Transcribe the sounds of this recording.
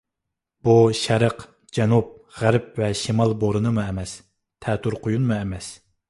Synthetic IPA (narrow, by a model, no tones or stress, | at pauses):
b̥uʃæɾəq | d͡ʒɛnup̚ʁæɾp̚vɛʃimɑlˠboɾɨnɨmuɛmɛs | t̪ʰɛːt̪ʰuɾqʰʊjunmuɛmɛs